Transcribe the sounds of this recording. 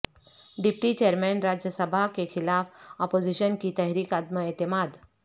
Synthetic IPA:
ɖipʈiːt͡ɕeəɾmɛnɾad͡ʑjəsəbʱakexʰilafɔpod͡ʑiɕənkiːt̪əɦɾiːkat̪məet̪imad̪

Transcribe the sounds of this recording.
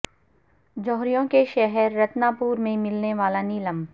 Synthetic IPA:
d͡ʒɔːɦɾijõkeʃɛɦɛɾːɐt̪naːpuːɾmẽmɪlneʋaːlaniləm

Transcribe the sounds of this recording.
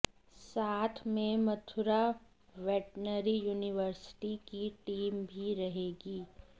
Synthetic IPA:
saːt̪ʰmẽmɐt̪ʰʊɾa | ʋɛːʈnəɾijuːnɪʋəɾsɪ̥ʈikiʈiːmbʱiɾɐɦeːɡiː

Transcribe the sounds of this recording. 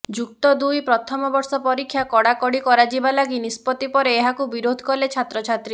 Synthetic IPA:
d͡ʒuk̚t̪ɔd̪ujpɾɔt̪ʰɔmɔbɔɾsɔpɔɾikʰjakɔɽakɔɽikɔɾad͡ʒibalaɡinispɔt̪ipɔɾeːɦakubiɾod̪ʱkɔlet͡ʃʰat̪ɾɔt͡ʃʰat̪ɾi

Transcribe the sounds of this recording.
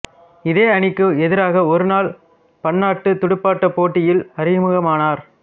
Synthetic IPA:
ɪðeːɐɳɪkːɯɛðɪɾaːɣɐɔɾɯnaːl | pɐɳːaːʈːɯt̪ʊɽʊpːaːʈːɐpoːʈːɪjɪlɐɾɪjɐmɯɣɐmaːnaːɾ

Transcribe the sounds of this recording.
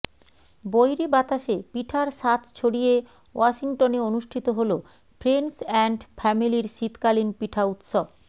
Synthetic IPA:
bojɾebat̪aʃepiʈʰaɾʃat̪ʰt͡ɕʰoɽije | waʃiŋʈoneonuʃʈʰit̪oɦolo | fʰɾensɛɳɖfʰɛmiliɾʃit̪kalinpiʈʰaut̪ʃob

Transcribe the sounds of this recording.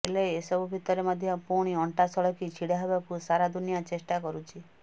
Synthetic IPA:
elejesɔbubʱit̪ɔɾemɔd̪ʱjɔpuɾɽ̃iɔɳʈasɔɭɔkit͡ʃʰiɽaɦebakusaɾad̪ʱunijat͡ʃesʈakɔɾut͡ʃʰi

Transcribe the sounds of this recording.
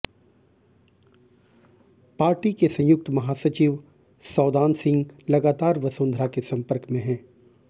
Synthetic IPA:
paːɾʈikesɐ̃j̃ʊk̚t̪mɐɦaːsɐt͡ʃiʋ | sɔːd̪aːnsɪ̃ŋɡlɐɡaːt̪aːɾʋɐsõːnd̪ʱɾakesɐ̃mpəɾkmẽɦɛ̃ː

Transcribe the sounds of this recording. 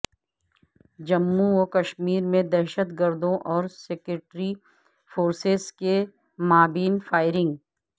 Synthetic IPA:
d͡ʒɐmːuokɐʃmiːɾmẽd̪ɛːʃət̪ɡəɾd̪õʔɔːɾseːkeʈɾi | foːɾsezke | maːbiːnfaːɪɾɪ̃ŋɡ

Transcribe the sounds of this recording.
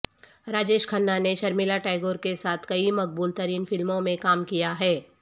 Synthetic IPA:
ɾaːd͡ʒeːʃkʰɐnːaneʃɐɾmɪlaʈaːɪɡoːɾkesaːt̪ʰkɐimɐk̚buːlt̪ɐɾiːnfɪlmõmẽkaːmkijaɦɛː

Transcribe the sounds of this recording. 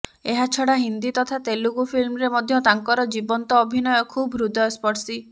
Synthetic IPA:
eɦat͡ʃʰɔɽaɦind̪it̪ɔt̪ʰat̪eluɡupʰilmɔɾemɔd̪ʱjɔt̪aŋkɔɾɔd͡ʒibɔnt̪ɔːbʱinɔjɔkʰubɾud̪ɔespɔʈsi

